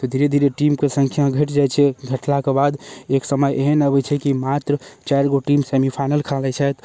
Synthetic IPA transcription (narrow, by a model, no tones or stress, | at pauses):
t̪ɔd̪ʱiɾed̪ʱiɾeʈimkesə̃ŋkʰjaɡʱəʈd͡ʒajt͡ʃʰɛɡʱəʈlakebad̪eksəməjʔeɦənəbɛt͡ʃʰɛkimat̪ɾət͡ʃajɾɡoʈimsemipʰajnəlkʰalɛt͡ʃʰɛt̪